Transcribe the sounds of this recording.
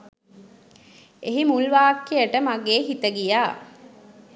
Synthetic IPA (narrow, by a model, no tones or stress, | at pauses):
eɦimulʋaːkːejəʈəmaɡeːɦit̪əɡijaː